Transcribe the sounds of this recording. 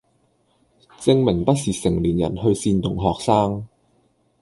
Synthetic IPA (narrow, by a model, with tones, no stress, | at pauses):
t͡sɪ˧ŋmɪ˨˩ŋpɐ˥t̚siː˨sɪ˨˩ŋliː˨˩njɐ̰˨˩nɦɵ˧ɥsiː˧nt̪ʊ˨˩ŋɦɔː˨k̚saː˥ŋ